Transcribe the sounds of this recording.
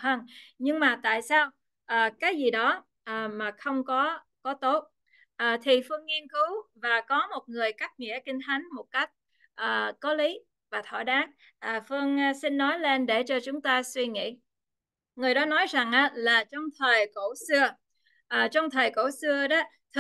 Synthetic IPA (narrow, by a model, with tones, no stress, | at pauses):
həː˧nɲɨ˧ŋmaː˨˩t̪a̰ː˧˨jsaː˧w | ʔəː˨˩kaː˨˦jzi˨˩ɗɔ˨˦ | ʔəː˨˩maː˨˩xə˧wŋ͡mkɔ˨˦ | kɔ˨˦t̪o˦˥t̚ | ʔəː˨˩t̪ʰi˨˩fɨ˧əŋːi˧ənkɨ˨˦wvaː˨˩kɔ˨˦mo˨˩t̚ŋɨ˨˩əjkaː˦˥k̚ŋḭ˧˥əkï˧ŋ̟t̪ʰa˨˦jŋ̟mo˨˩t̚ka˦˥jk̟̚ | ʔəː˨˩kɔ˨˦li˨˦ | vaː˨˩t̪ʰɔ̰˧˩ɗaː˨˦˥k̚ | ʔəː˨˩fɨ˧əŋ˧sï˧nːɔ˨˦jle˧nɗe˧˩t͡ɕɔ˧t͡ɕʊ˨˦ŋ͡mt̪aː˧swi˧ŋḭ˧˨ | ŋɨ˨˩əjɗɔ˨˦nɔ˨˦jza˨˩ŋʔaː˨˦laː˨˩t͡ɕɔ˧wŋ͡mt̪ʰəː˨˩jko̰˧˩˥sɨ˧ə | ʔəː˨˩t͡ɕɔ˧wŋ͡mt̪ʰəː˨˩jko̰˧˩sɨ˧əɗɔ˨˦˥ | t̪ʰ